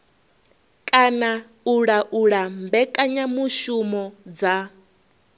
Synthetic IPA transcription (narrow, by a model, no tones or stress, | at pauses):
kʼana | uɺaʔuɺambɛkʼaɲamuʃumɔd͡za